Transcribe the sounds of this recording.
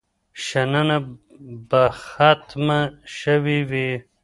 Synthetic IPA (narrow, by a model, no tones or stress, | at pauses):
ʃananabaxat̪maʃəwiwi